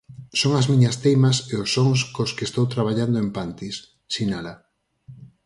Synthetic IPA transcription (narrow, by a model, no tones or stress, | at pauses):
soŋazmiɲɐst̪ejmaseosːoŋskoskeːst̪owt̪ɾaβ̞aʎand̪oempant̪is | sinala